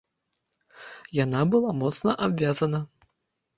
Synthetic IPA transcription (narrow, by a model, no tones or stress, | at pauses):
janabɨlˠamɔt̪snɐʔabvʲazɐnɐ